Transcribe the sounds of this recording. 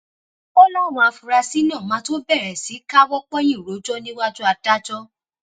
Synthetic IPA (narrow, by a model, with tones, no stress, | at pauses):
ɔ˦lɔ˦˨w̃ɔ̃˧a˨˧fu˨ɾa˧si˦nãː˦˨mã˨˦to˦bɛ˦˨ɾɛ˨si˨˦ka˦wɔ˦k͡pɔ̃˦j̃ĩ˦˨ɾo˨˦d͡ʒɔ˦nĩ˦wa˦tu˦a˧da˦d͡ʒɔ˦